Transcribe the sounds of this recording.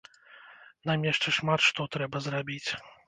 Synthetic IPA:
namʲɛʂt͡ʂɛʂmat̪ʂt̪ɔt̪ɾɛbɐzrabʲit͡sʲ

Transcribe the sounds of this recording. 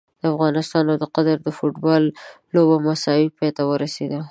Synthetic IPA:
d̪̥əafɣɑnɪst̪ɑnawd̪əqad̪aɾd̪əfoʈbɑlː | obamasɑwipɑjt̪awəɾased̪a

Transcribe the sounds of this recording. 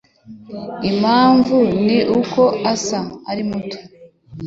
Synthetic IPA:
imaːɱvuniʔuko̞asaaɾimutu̥

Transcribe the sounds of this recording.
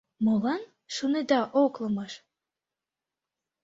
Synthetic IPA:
molɑn | ʃuned̪ɑʔoklɤ̆mɤʃ

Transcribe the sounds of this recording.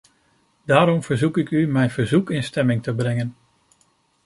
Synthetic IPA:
daːɾɔmv̥əɹzukɪkymɛjnv̥əɹzukɪnstɛmɪŋtəbɾɛŋən

